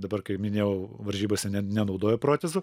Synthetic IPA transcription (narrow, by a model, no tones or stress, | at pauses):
d̪ɐbɐrkɐɪmʲɪnʲeːjɛʊʋɐɾʲʒʲiːboːsʲɛnʲɛnʲɛnɐʊd̪oːjoːpɾoːt̪ʲɛzʊ